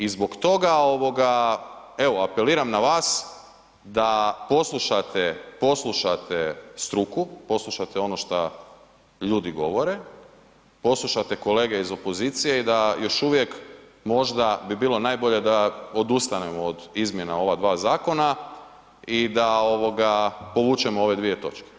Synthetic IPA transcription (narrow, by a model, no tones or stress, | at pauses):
izbo̞kt̪o̞ɡao̞ʋo̞ɡa | e̞ʋoape̞liːɾamnaʋaːs | d̪apo̞slˠuʃat̪epo̞slˠuʃat̪est̪ɾukupo̞slˠuʃat̪eo̞no̞ʃt̪a | ʎuːd̪iɡo̞ʋo̞ɾe | po̞slˠuʃat̪eko̞le̞ːɡeizo̞po̞zit̪sije̞id̪ajo̞ʃuʋje̞kmo̞ʒd̪abibiːlˠo̞naːjbo̞ʎe̞d̪aod̪ust̪anemood̪izmjenao̞ʋad̪ʋaːzaːko̞na | id̪ao̞ʋo̞ɡapo̞ʋuːt͡ʃemoo̞ʋe̞d̪ʋije̞t̪o̞̰t͡ʃke̥